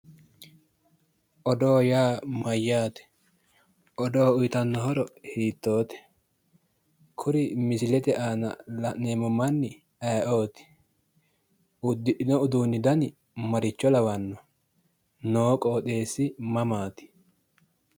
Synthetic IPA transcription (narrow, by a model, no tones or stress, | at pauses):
ʔɔd̪oːjaːmɐjːaːt̪ɛ̥ | ʔɔd̪oːʊjt̪ɐnːɔɦɔɾɔhiːt̪ːo̞ːt̪ɛ̥ | kʰʊɾɪmɪsɪlɛt̪ɛʔaːnɐ̰lɐneːmɔmɐnːɪ | ɐjʔoːt̪ɪ̥ | ʔʊd̪ːɪʔɪnɔʊd̪uːnːɪd̪ɐnɪ | mɐɾɪt͡ʃːɔlɐwɐnːɔ | noːkʼoːɗ̪e̞ːsːɪmɐmaːt̪ɪ̥